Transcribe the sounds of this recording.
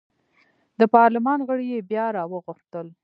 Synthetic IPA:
d̪əpɑɾlɪmɑnɣəɽijebjɑɾɑwəɣʊxt̪əl

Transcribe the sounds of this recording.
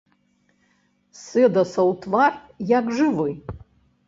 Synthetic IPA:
sɨd̪ɐsɐwt̪ʰvar | jakʐɨvɨj

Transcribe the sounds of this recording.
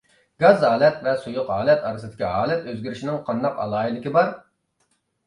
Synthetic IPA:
ɡɑzɦɑːlˠɛt̪vɛsujʊqɦɑːlˠɛt̪ɑɾɨsɨd̪ɪ̥kʲiɦɑːlˠɛt̪øzɡʲyɾɪʃinɪŋqʰɑnd̪ɑqɑ̰lˠɑːilɪkʲibɑɾ

